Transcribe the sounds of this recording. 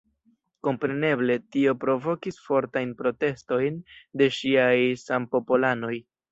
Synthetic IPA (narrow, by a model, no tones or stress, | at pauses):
ko̞mpɾe̞ne̞ble̞tio̞pɾo̞vo̞kisfo̞ɾtajnpɾo̞te̞sto̞jnde̞ʃiajsampo̞polano̞j